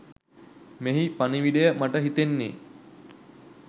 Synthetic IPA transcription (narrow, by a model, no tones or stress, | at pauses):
meɦipaniʋiɖejəmaʈəɦit̪enːḛː